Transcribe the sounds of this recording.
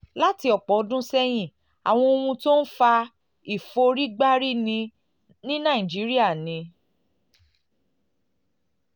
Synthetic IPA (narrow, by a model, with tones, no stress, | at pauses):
la˦ti˧ɔ˨k͡pɔ˨˦dũ˦sɛ˦j̃ĩ˦˨ | a̰˨w̃ɔ̃˧o˧wũ˧to˦n̩˦fa˧ | i˦˨fo˧ɾi˦ɡ͡ba˦ɾi˦˨nĩ˧ | nĩ˦nã˦˨ĩ˨d͡ʒi˨˦ɾi˦a˦˨nĩ˧